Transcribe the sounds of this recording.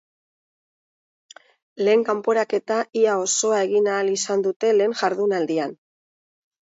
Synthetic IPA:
le̞ːŋkampo̞ɾake̞t̪aiao̞so̞ae̞ɣinaːlisand̪ut̪e̞le̞ːŋʝaɾðunald̪ian

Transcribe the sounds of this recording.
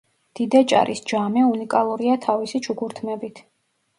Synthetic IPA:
d̪̥id̪at͡ʃʼa̰ɾʔisd͡ʒamɛunikʼalˠuɾiat̪ʰavisit͡ʃʰukʰuɾt̪ʰmɛbit̪ʰ

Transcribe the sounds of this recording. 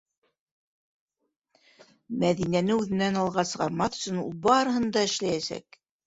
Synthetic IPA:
mæðinænɘʉðɘ̆nænɑlˠʁɑsɤ̆ʁɑɾmɑθɵ̆sɵnṵlˠbɑɾɤ̆hɤnd̪ɑɘ̆ʃlæjæsæ̰k

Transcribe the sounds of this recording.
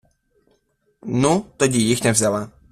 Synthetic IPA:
nut̪ɐdʲɪjixnʲɛvzʲalˠa

